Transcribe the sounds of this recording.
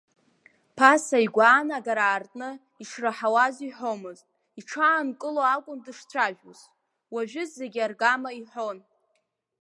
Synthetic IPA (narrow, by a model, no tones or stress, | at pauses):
pʰasaiɡʷaːnaɡaɾaːrtʼnɨ | iʂraħawaziħo̞mɨztʼ | iʈ͡ʂʰaːnkʼɨloakʷʼʊndɨʂt͡sʷʰaʒᶣṵz | waʒᶣʊzːe̞ɡʲarɡamaiħo̞n